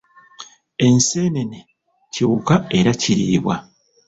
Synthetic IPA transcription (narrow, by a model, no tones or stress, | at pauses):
e̞nse̞ːnene | ciukae̞ɾaciɾḭiβwa̰